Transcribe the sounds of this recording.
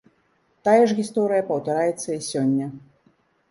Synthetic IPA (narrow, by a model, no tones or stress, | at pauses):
t̪ajɛʐɣʲist̪ɔɾɨjɐpɐwt̪aɾajɛt̪sːɐisʲɔnʲːɐ